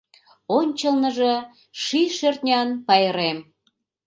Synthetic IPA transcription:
onʲt͡ɕəlnəʒe | ʃiʃørt̪nʲɑnpɑjəɾem

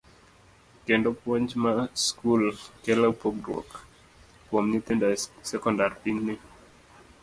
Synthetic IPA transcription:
kendɔpwɔɲd͡ʒmaskulkɛlapoɡdɾɔ̰k | kwɔmnit̪ɛndasɛkɔndarpiŋnɪ

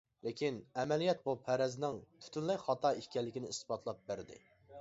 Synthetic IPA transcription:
lɪkʲinɛmɛlijɛt̪̚bupʰæɾɛznɪŋt̪ʰy̥t̪ʰynlɛjχɑt̪ʰɑikʲɛlːɪkʲinɪispɑt̪ʰlˠɑp̚bæɾd̪ɪ̰

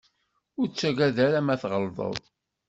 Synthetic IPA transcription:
ʊɾt͡sːæɡæðæɾæmæθʁəlðˤə̰ðˤ

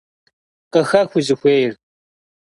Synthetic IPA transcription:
qɐxɐxʷʊzɨxʷeːjr

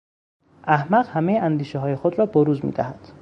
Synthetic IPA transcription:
ʔæhmæɣhæmejeʔænd̪iːʃeɦɒːjexod̪ɾɒːboɾuːzmḭːd̪æhæd̪̥

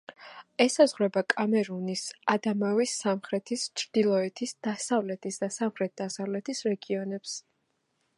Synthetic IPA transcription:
ɛsazʁɾɛbakʼamɛɾunisad̪amavisːamχɾɛt̪ʰist͡ʃʰɾd̪̥ilˠɔɛt̪ʰisd̪̥asavlɛt̪ʰisd̪asamχɾɛt̪̚d̪̥asavlɛt̪ʰisɾɛɡiɔnɛps

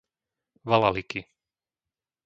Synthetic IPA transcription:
ʋalaliki

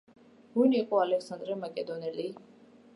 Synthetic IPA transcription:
ɡuniqʼɔalɛkʰsand̪ɾɛmakʼɛd̪ɔnɛli

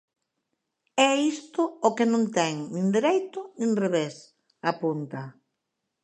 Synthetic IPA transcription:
ɛist̪ʊokenõnt̪ɛŋnĩŋd̪eɾejt̪ʊnĩŋreβes | apunt̪a

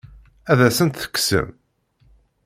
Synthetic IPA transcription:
æðæsənt̪θə̥kːsə̰m

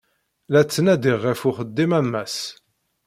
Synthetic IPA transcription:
læt͡sːənæd̪iʁːɪfʊχəd̪ːimæmːæs

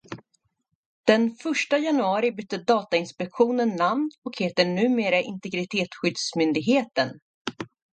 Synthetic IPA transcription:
d̪̥ɛnfœʂʈajanɵɑːɾɪbʏt̪ːəd̪ɑːt̪aɪnspɛkɧuːnənːamnɔkheːt̪əɳʉ̟ːmeːɾaʔɪnt̪ɛɡɾɪt̪ʰeːt̪ɧʏd̪smʏnd̪ɪɡɦeːt̪ən

